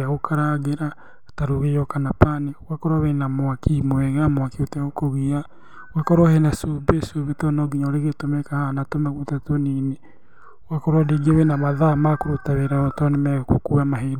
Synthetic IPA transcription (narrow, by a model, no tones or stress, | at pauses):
aɣokʰaɾaɣeɾa | taɾoɣejɔkanapanewakɔɾwawɛnamwakimwɛɣamwakeotɛokoɣia | wakɔɾwahɛnasubesoβetɔnɔɡiɲaɾeɣetomɛkahanatomaɣutatonine | wakɔɾwadeɡiawenamaðamakoɾotaweɾaɔtɔnemɛɣakokuːamaɦeɾ